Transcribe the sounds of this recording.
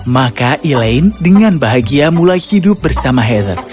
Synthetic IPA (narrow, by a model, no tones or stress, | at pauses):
makaʔilaɪndəŋanbaɦaɡiamulajhidʊp̚bərsamaɦɛd̪ər